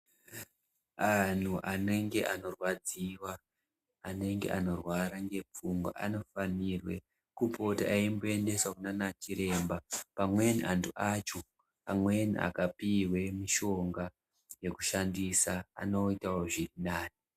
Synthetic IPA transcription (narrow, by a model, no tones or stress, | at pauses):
an̤uʔane̞ŋɡe̞ʔano̞rwad͡ziwaː | ne̞ŋɡe̞̰ʔano̞rwaɾaŋɡe̞p͡fuŋɡwa̰ʔa̰no̞fanirwe̞ | kupo̞taʔaimboe̞nde̞sakunanat͡ʃiɾe̞ːmbapamwe̞niʔantʰuʔat͡ʃo | amwe̞nḭʔa̰kapirwe̞miʃo̞ŋɡa | je̞ku̥ʃandisaa̰no̞itawoʐirinaːni